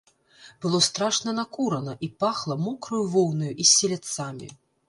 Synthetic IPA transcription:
b̥ɨlˠɔst̪ɾaʂnɐnakuɾɐnɐʔipaxlˠɐmɔkɾɐjuvɔwnɐjuʔisʲːɛlʲat̪samʲḭ

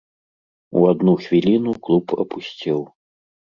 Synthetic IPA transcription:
ṵad̪nuxvʲilʲinuklˠupʰɐ̰pusʲt͡sʲiw

